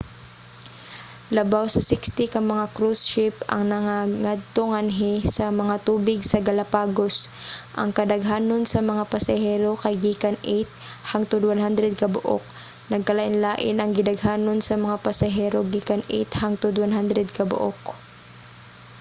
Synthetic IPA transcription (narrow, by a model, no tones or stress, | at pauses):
lɐbawsɐsɪkst̪ɪkɐŋmɐŋakɾusʃɪpɐ̰ŋnɐŋaŋad̪̚t̪oŋanɦɪsɐmɐŋat̪uːbɪɡsɐɡɐlɐpaːɡosʔɐ̰ŋkɐd̪ɐɡɦaːnonsɐmɐŋapɐsɐɦɛːɾokɐjɡiːkanʔejt̪̚haŋt̪ʊd̪wanɦand̪ɾɛd̪̚kɐbʊʔo̰k̚ | nɐɡ̚kɐlaʔɪnlaːʔɪnɐŋɡɪd̪ɐɡɦaːnonsɐmɐŋapɐsɐɦɛɾoɡiːkanʔḛjt̪haŋt̪ʊd̪wanɦand̪ɾɛd̪̚kɐbʊ̰ʔo̰k